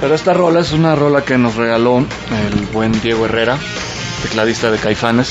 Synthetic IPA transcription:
pe̞ɾo̞e̞st̪aro̞lae̞s̬unaro̞lake̞no̞sre̞ɣ̞alo̞ | elβwe̞nd̪je̞ɣoe̞re̞ɾa | t̪e̞klaðist̪að̞e̞kajfane̞s

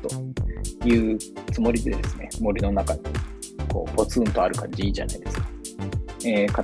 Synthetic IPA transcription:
t̪o̞̰jɯ̟ːt͡sɨmo̞ɾʲid̪e̞d̪e̞sɨne̞mo̞ɾʲino̞nakaɲʲi | kʰo̞̰ːbo̞t͡sɨɯ̃nt̪o̞aɾɯ̟kãɲd͡ʑiiːʑa̰na̰id̪e̞sɨ̥kḁ | eka

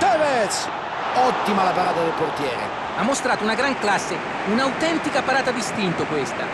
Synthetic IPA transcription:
t̪ɛvɛt̪s | ɔt̪ːimalapaɾaːt̪ad̪elport̪jɛːɾḛ | amːost̪ɾaːt̪ounaɡɾaŋklasːe | unawt̪ɛnt̪ikapaɾaːt̪ad̪ist̪int̪okwest̪a̰

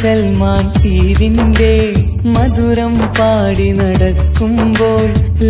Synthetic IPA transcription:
sɛlmaːnsiːðinɖeː | mɐðuɾɐmpaːɽinɐɽɐkːɯmboːɭ

